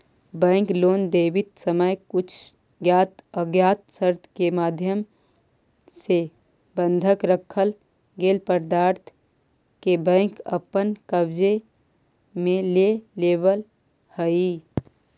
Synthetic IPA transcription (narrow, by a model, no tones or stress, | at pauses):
bɛ̃ːŋkloːnd̪eːʋɪt̪səməjkʊt͡ʃʰ | ɡjaːt̪əɡjaːt̪səɾt̪ʰkemaːd̪ʱjəm | se | bə̃nd̪ʱəkɾəkʰːəl | ɡeːlpəɾd̪aːɾt̪ʰ | kebɛ̃ːŋkə̰pənkəbd͡ʒe | mẽleleːbəl | həi